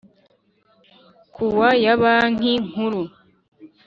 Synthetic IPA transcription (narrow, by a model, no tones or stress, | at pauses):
kʰuwajaβaːn̥iŋ̥huɾu